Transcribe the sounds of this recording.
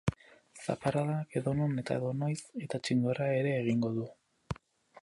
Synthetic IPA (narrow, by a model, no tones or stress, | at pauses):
sa̰paɾaðake̞ðo̞none̞t̪a̰eðo̞nojse̞t̪at͡ʃind̪oɾae̞ɾe̞ːɣ̞iŋɡo̞ðu